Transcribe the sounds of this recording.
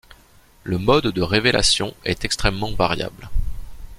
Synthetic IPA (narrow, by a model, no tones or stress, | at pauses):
ləmɔd̪ːəʁevela̰sjɔ̃ɛt̪ɛkst̪χɛmːɑ̃vaʁja̰bl